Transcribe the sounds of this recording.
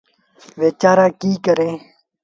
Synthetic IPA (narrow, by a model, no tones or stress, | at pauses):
ʋeːt͡ʃaːɾãːkiːkəɾẽː